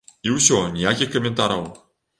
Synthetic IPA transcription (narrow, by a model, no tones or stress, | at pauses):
iwsʲonʲijakʲixʲkomʲent̪aɾaw